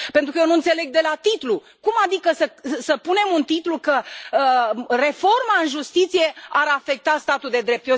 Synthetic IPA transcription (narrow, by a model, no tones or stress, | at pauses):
pent̪ɾukəjenuɨnt̪se̞le̞ɡ̚d̪e̞lat̪it̪lu | kumad̪ikəsəsəpune̞munt̪it̪lukə | re̞fo̞rmaɨnʒust̪it̪sije̞aɾafe̞k̚t̪ast̪at̪uld̪e̞d̪ɾe̞p̚t̪o